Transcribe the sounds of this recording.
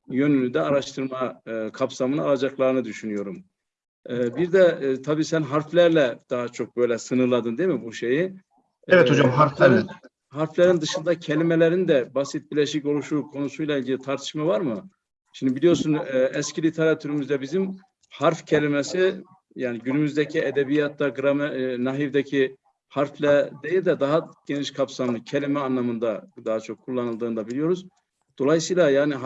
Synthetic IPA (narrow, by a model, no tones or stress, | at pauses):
jø̞nynyd̪ɛaɾaʃt̪ʰɯɾmakʰapsamɯnɯalˠad͡ʒaklˠaɾɯnɯd̪yʃynyjo̞ɾumː | biɾd̪ɛt̪ʰabiːsænɦaɾflʲæɾlʲɛd̪̥aɦat͡ʃʰo̞k̚bø̞jlʲɛsɯnɯɾlˠad̪ɯnd̪emibuʃeji | evɛt̪od͡ʒamɦaɾflɛn | ɦaɾflʲɛɾind̪ɯʃɯnd̪acʰɛlʲimɛlʲɛɾind̪ɛbasit̪̚bilʲɛʃico̞lˠuʃukʰo̞nusujlˠailʲɟilʲit̪ʰaɾt̪ʰɯ̥ʃmavaɾmɯ | ʃimd̪ibilʲijo̞ɾsunɛscʰilʲit̪ʰeɾat̪ʰyɾymyzd̪ɛbizim | haɾfcʰelʲimɛsi | jaːniɟynymyzd̪ɛcʰiɛd̪ɛbijat̪̚ːaɡɯɾamɛnaɦivd̪ɛcʰi | haɾflʲɛd̪ejilʲd̪ɛd̪aɦaɟ̥eniʃkʰapsamlˠɯcʰelʲimɛanlːˠamɯnd̪ad̪aɦat͡ʃʰo̞kʰːulˠːanɯlˠd̪ɯːnd̪abilijo̞ɾuz | d̪̥o̞lˠajsɯjlˠajaːni